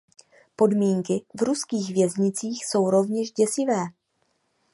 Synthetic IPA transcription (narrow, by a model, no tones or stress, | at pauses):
po̞dmiːŋkɪvɾuskiːɣvjɛzɲɪt͡siːxso̞wɾo̞vɲɛʃɟɛsɪvɛː